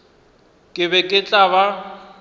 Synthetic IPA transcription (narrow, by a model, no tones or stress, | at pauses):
kʼɪβɛkʼɪt͡ɬʼaβa